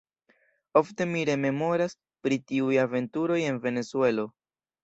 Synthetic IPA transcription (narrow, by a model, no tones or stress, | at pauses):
o̞fte̞miɾe̞me̞mo̞ɾas | pɾitiujave̞ntuɾo̞je̞nve̞ne̞sue̞lo̞